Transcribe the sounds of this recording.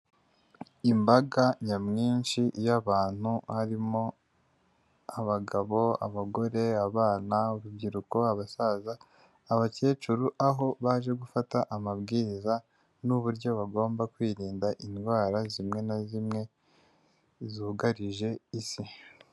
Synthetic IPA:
imbaɡaɲamŋiːnʃiʔjaβaːn̥huhaɾimo̞ | aβaɡaβo̞a̰βaɡo̞ɾe̞aβaːnauɾubɟiɾuko̞aβasaːzaː | βace̞ːt͡ʃuɾuʔaɦo̞βaʒe̞ɡufataʔamabɡiːiza | nuβuɾɟo̞βaɡo̞ːmbakwiːɾiːndaʔinɡwaːɾazimŋe̞nazimŋe̞ | zuɡaɾiʒe̞isi

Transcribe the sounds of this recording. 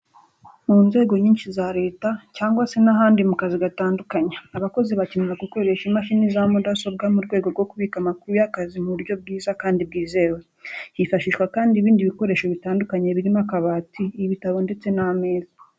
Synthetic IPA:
muːnze̞ːɡo̞ɲiːnʃizaɾe̞ːtacaːŋɡwase̞naɦaːndimukaziɡataːndukaɲaaβako̞ziβacemiɾaɡuko̞ɾe̞ʃimaʃinizamudaso̞b̚ɡamuɾɡwe̞ːɡo̞ɾɡo̞kuβiːkamakuɾujakazimuβuɾjo̞b̚ɡiːzakaːndib̚ɡiːze̞ːwe | hifaʃiʃkwakaːndiβiːndiβiko̞ɾe̞ːʃo̞βitaːndukaɲeβiɾimakaβaːtʰiːβitaβo̞nde̞t͡se̞name̞ːzḁ

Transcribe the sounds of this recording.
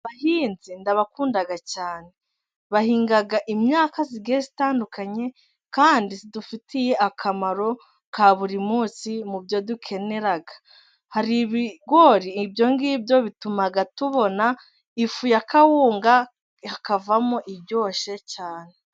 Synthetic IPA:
βahiːnzindaβakuːndaɡacaːne̞ | βahiːŋɡaɡaʔimɲaːkaziɡe̞zitaːndukaɲe̞ | kaːndisidufitije̞ʔakʰamaɾo̞ | kaβuɾimuːsimubjo̞dukʰe̞ne̞ɾaɡa | haɾiβiɡwo̞ɾiːbjo̞ŋɡibjo̞βitumaɡatuβo̞na | ifujakʰawuːŋɡa | hakavamoʔibɟo̞ːʃecaːne̞

